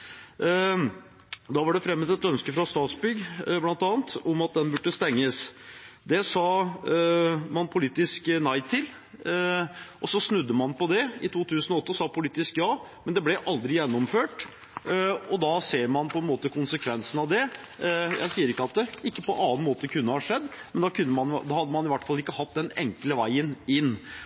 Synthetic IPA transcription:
d̪ɑʋɑɖɛfɾɛmːət̪ɛt̪œnskəfɾɑst̪ɑːt̪sbʏɡblɑnt̪ɑːnt̪ɔmɑt̪̚d̪ɛnbʉʈːəst̪ɛŋːəsd̪ɛsɑ | mɑnpʰʊliːt̪ɪsknæɪt̪ʰɪl | ʔɔsɔsnʉd̪ːəmɑnpɔd̪ɛɪt̪ʰuːt̪ʰʉːsənɔɔt̪ːəsɑːpʰʊliːt̪ɪskjɑːmɛnd̪ɛblɛʔɑld̪ɾɪjɛnːɔmføːʈ | ɔd̪ɑseːɾmɑnpʰɔɛnmoːt̪əkʰʊnsəkʰʋɛnsənɑʋd̪ɛ | jæ̰ɪsiːəɾɪkːəɑt̪̚d̪ɛɪkːəpɔ̰ʔɑːnmoːt̪əəkʰʉnːəhɑʂɛd̪ːmɛnd̪ɑkʰʉnːəmɑnd̪ɑhɑd̪ːəmɑnɪʋæʈːfɑlːɪkːəhɑt̪̚ːd̪ɛnɛ̰ŋkləʋæɪənɪnː

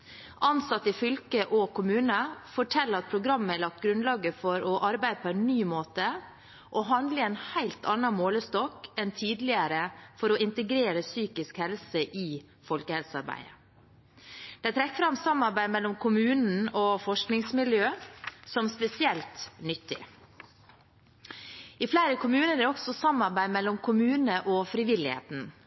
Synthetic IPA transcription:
ʔɑnsɑt̪ːɪfʏlkəʔɔkʰʊmʉːnəfɔʈʰɛlːəɾɑt̪̚pʰɾʊɡɾɑmːəælɭɑk̚t̪ɡɾʉnlɑːɡəfɔɾɔʔɑɾbæɪd̪əpʰɔɛnːyːmoːt̪ə | ʔɔɦɑnd̪ləɛnhæɪlt̪ʰɑnːɑmoːləst̪ɔkɛnt̪ʰiːd̪lɪəɾəfɔɾɔɪnt̪əɡɾeːɾəsyːkɪskhɛlsəʔɪ | fɔlkəhɛlsəɑɾbæ̰ɪə̰ | d̪̥ɛɪt̪ʰɾɛkːfɾɑmːsɑmːɑɾbæɪmɛlːɔmkʰʊmʉːnn̩ɔfɔʂknɪŋsmɪljøːsɔmspɛsɪɛlt̪nʏt̪ːɪ̰ | ɪflæɪɾəkʰʊmʉːnəɾd̪ɛɔɡsɔsɑmːɑɾbæɪmɛlːɔmkʰʊmʉːnəʔɔfɾɪʋɪlːɪhḛːt̪n̩

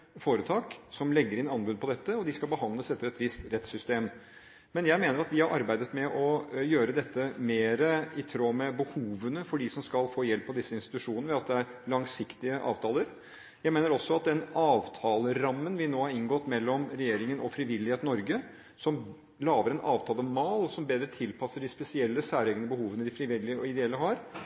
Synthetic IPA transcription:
foːɾət̪ʰɑːksɔmlɛɡːəɾɪnɑnbʉpʰɔd̪ɛt̪ːəɔd̪ɪskɑlbəɦɑnləsɛt̪ːəɾɛt̪ʋɪst̪ɾɛt̪sʏst̪eːm | mɛnjæɪmeːnəɾɑt̪ʋɪhɑɾʔɑɾbæɪd̪ət̪mɛʔɔjøːɾəd̪ɛt̪ːəmeːɾəɪt̪ʰɾoːmɛbəhuːʋənəfɔɖɪsɔmskɑlfoːjɛlpːɔd̪ɪsːəɪnst̪ɪ̥t̪ʉʂuːnəʋɑt̪̚d̪ɛæɾlɑŋsɪkt̪ɪəʔɑ̰ːʋt̪ʰɑːləɾ | jæɪmeːnəɾɔsːɔɑt̪̚d̪ɛnɑːʋt̪ʰɑːləɾɑmːənʋɪnoːhɑɾɪŋɡɔt̪ːmɛlːɔmɾɛjeːɾɪŋənʔɔfɾɪʋɪlːɪheːt̪nːɔɾɡə | sɔm | lɑːʋəɾɛnʔɑːʋt̪ʰɑːləmɑːlɔsɔmbeːd̪ɾət̪ʰɪlpʰɑsːəɖɪspɛsɪɛlːəsæːɾeːɡənəbəhuːʋənəd̪ɪfɾɪʋɪlːɪəɔɪd̪ɛɛlːəɦɑɾ

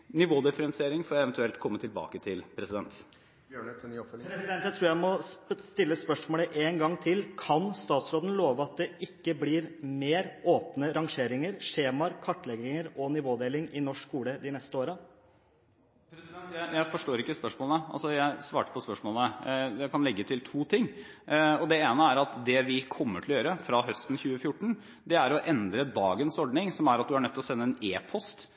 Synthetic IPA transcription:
nɪʋoːd̪ɪfəɾɛnsɪeːɾɪŋfɔːɾɛʋnt̪ʉɛlt̪kʰɔmːət̪ʰɪlbɑ̰ːkət̪ʰɪlpʰɾɛsɪd̪ɛnt̪ | bjøɳnːɔfpʰɾɛsɪd̪ɛnt̪jæɪt̪ʰɾuːɾjæɪmɔst̪ɪlːəspœʂmoːləʔeːnɡɑŋt̪ʰɪlkʰɑnst̪ɑːt̪sɾoːd̪ən̩loːʋəɑt̪̚d̪ɛʔɪkːəblɪɾmeːɾoːpnəɾɑŋʂeːɾɪŋəɾʂeːmɑɾkʰɑʈːlɛɡɪŋəɾɔnɪʋoːd̪eːlɪŋɪnɔʂkʰːuːləd̪ɪnɛst̪əoːɾə | pɾt̪jæɪjæɪfɔʂʈoːɾɪkːəspœʂmoːlənəɑ̰lsɔjæɪsʋɑːʈə̥pʰɔspœʂmoːlnəd̪ɛkɑnlɛɡːət̪ʰɪlt̪ʰuːt̪ʰɪŋː | ɔd̪ɛeːnəæɾɑt̪d̪ɛʋɪkʰɔmːəʈʰɪlɔjøːɾəfɾɑɦœst̪n̩çʉːəfjʊʈːɳ̩ | d̪ɛæɾɔʔɛnd̪ɾəd̪ɑːɡənsɔɖɳɪŋsɔmæɾɑt̪̚d̪ʉæɳœt̪ʰːlɔsɛnːəɛneːpʰɔst̪

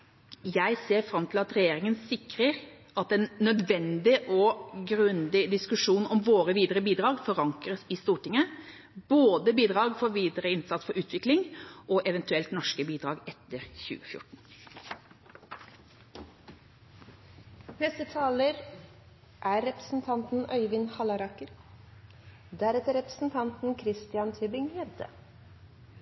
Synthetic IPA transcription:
jæɪseːɾfɾɑmt̪ʰɪlɑt̪ɾɛjeːɾɪŋənsɪkɾəɾ | ɑt̪ɛnnœd̪ʋɛnd̪ɪʔɔɡɾʉnd̪ɪd̪ɪskʉʂuːnɔmʋoːɾəʋiːd̪əɾəbiːd̪ɾɑːɡfɔɾɑŋkʁəsɪst̪uːʈɪŋə | boːd̪əbiːd̪ɾɑːɡfoːɾʋiːd̪əɾəɪnsɑt̪sfɔɾʉːt̪ʰʋɪklɪŋʔɔʔɛʋɛnt̪ʉɛlt̪nɔʂkəbiːd̪ɾɑːɡɛt̪ːəɾçʉ̰ːəfjʊ̰ʈɳ̩ | hɛst̪ət̪ʰɑːləɾ | ʔæːɾɾɛpɾə̥sn̩t̪ʰɑnt̪n̩œʏʋɪnhɑlɑɾɑkəɾ | d̪æɾɛt̪əɾɛpɾəsn̩t̪ʰɑnt̪n̩kʰɾɪst̪ɪɑnt̪ʰʏbɪŋjɛʋd̪ə̰

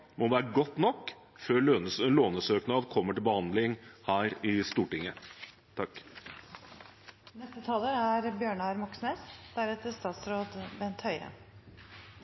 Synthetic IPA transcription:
mɔʋæːɾəɡɔt̪ːnɔkː | føːɭøsloːnəsøːknɑd̪kʰɔmːəʈɪlbəhɑnd̪lɪŋhæːɾɪst̪uːʈɪŋːə | t̪ʰɑk | nɛst̪ət̪ʰɑːləɾæɾbjøːɳɑɾmɑksmɛsd̪̥æɾɛːt̪əst̪ɑːt̪sɾoːd̪bɛnt̪hœʏə̰

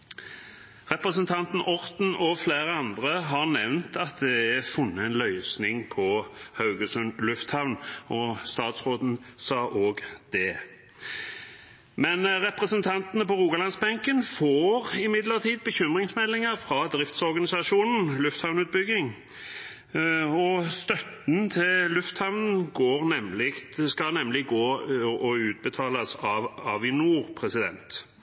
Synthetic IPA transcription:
ʁɛpʁəsənt̪ʰɑnt̪n̩ʔɔʁt̪n̩ɔfleːʁəɑnd̪ʁəɦɑʁnɛʋnt̪ʰɑt̪̚d̪ɛæfʊnːəɛnlœʏsnɪŋpʰɔhɑʉɡəsʉnlʉft̪hɑʋnɔst̪ɑːt̪sʁoːd̪n̩sɑːʔoːɡd̪̥ɛ | mɛnʁɛpʁəsənt̪ʰɑnt̪ənəpɔʁuːɡɑlɑnsbɛŋkənfoːʁɪmɪd̪ləʁt̪ʰiːd̪̚bəçʏmʁɪŋsmɛlːɪŋəʁfɾɑd̪ʁɪft̪sɔɾɡɑnɪsɑʂuːnn̩lʉft̪hɑʋnʉːt̪̚bʏɡɪŋ | ɔst̪œt̪n̩t̪ʰɪlʉft̪hɑʋnn̩ɡoːʁnɛmlɪkt̪skɑnɛmlɪɡoːɔʉːt̪̚bət̪ʰɑːlɑsɑɑ̰ʋɪnuːʁpʰʁɛsɪd̪ɛ̰nt̪

